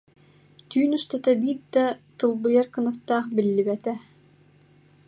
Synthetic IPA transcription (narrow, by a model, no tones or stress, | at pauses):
t̪yːnust̪at̪ɐbiːt̪̚d̪at̪ɯlˠbɯjaɾkɯnɯt̪ːaːχbilːibɛt̪ɛ